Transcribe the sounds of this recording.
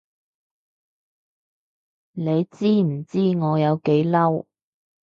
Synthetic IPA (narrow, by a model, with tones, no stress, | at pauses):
ne˨˧jt͡siː˥m̩˨˩t͡siː˥ŋɔː˨˧jɐ˨˧wke˨˥jlɐ˥w